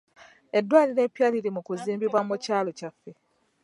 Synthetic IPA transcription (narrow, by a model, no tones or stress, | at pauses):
e̞dːwaːliɾe̞ːpjaːliɾimukuziːmbiβwamucaːlo̞cafːe̞